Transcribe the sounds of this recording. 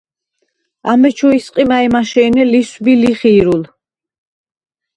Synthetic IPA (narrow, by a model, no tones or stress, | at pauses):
amɛt͡ʃʰɔisqʼimaɛmaʃɛːnɛlisbiliχiːɾul